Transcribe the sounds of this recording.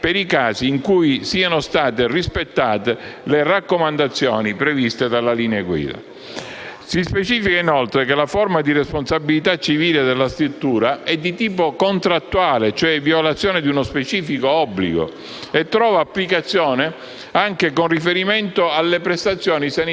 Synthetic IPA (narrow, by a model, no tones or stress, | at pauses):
peɾikaːsiːŋkujsiːanost̪aːt̪erispet̪ːaːt̪elerakːomand̪at̪sːjɔ̰ːnipɾevist̪ed̪alaliːnaɡwḭːd̪a̰ | sispet͡ʃiːfikainɔlt̪ɾekelafɔrmad̪iresponsabilit̪at͡ʃːiviːled̪elːast̪ɾut̪ːuːɾaɛd̪ːit̪iːp̬okont̪ɾat̪ːuaːlet͡ʃoɛvjolat̪sːjɔːned̪iunospet͡ʃiːfikoɔbːlḭɡo̰ | et̪ːɾɔːvaːpːlikat̪sːjɔːne | aŋkekonrifeɾiment̪oalːepɾest̪at̪sːjɔːnisani